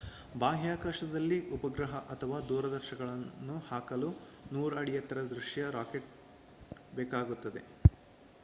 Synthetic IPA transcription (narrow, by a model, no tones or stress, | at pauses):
baːɦjaːkaːʃɐd̪ɐlːiʔupɐɡɾɐɦɐʔɐt̪ʰɐʋaːd̪uːɾɐd̪ɐɾʃɐɡɐɭɐnːuhaːkɐlu | nuːɾɐɽijɐt̪ɐɾɐd̪ɾuʃjɐɾaːkeʈ̚ | bɛːkaːɡut̪ːɐd̪e̞